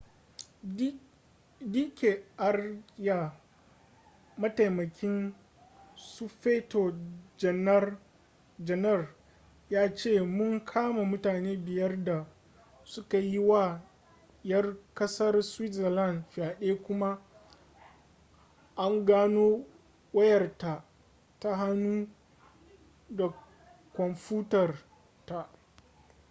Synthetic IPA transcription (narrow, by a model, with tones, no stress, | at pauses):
di˦kʲe˨ʔa˦rja˨ | mɐ˦ta˨jmɐ˨kʲɪ˦n | su˦ɸeː˦to˨d͡ʒɛ˨n˦r | d͡ʒɛ˨nɛ˦˨r | jaː˦t͡ʃeː˦˨mʊ˦ŋkʰaː˦ma˨mʊ˦taː˨neː˦bɪ˨jɐ˦rda˨ | sʊ˦ka˨ji˦waː˦˨ | jɐ˦rkɐ˦sɐ˦rswɪ˦tsɐ˨la˦˨nɸaː˨ɗeː˦kʷʊ˦ma˦ | ʔa˦ŋɡaː˦noː˦ | wɐ˦jɐ˨rta˨ | ta˦ɦa˦nuː˦ | da˨ | kʷɔ˨mɸuː˦tɐ˨r | ta˨ʔ